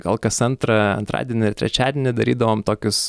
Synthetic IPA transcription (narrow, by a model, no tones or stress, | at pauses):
kolˠkɐsɐnt̪ɾɐɐ̰nt̪ɾɑ̰ːd̪ʲiɛnʲɪɪrt̪ʲɾʲɛ̰t͡ʃʲæːd̪ʲɪɛnʲɪd̪ɐɾʲiːd̪ɐʋoːmt̪oːkʲʊs